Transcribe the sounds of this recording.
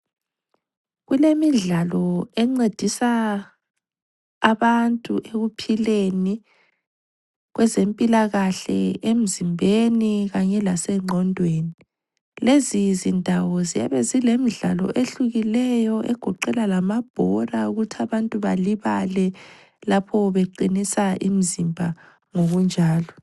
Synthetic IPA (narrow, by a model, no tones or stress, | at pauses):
ɣulemiɮalɔɛŋ͡ǀed̥ʱisa | βantʼuʔeɣupʰileni | ɣwɛzempʼilaɣaɬɛ̰em̩zimbʱeniɣaɲɛlasɛŋ͡ǀʱɔndʱweːni | lezizindʱawɔzia̰βɛzilemiɮa̰lɔ̰ʔeɬuɣilɛjɔʔɛ̰ɡ̥ʱɔǃɛlalamab̥ʱɔrauɣutʰiaβantʼuβaliβalɛ | lapʰɔβeǃinisaʔḭmizimbʱa | ŋoɣund͡ʒʱaːlɔ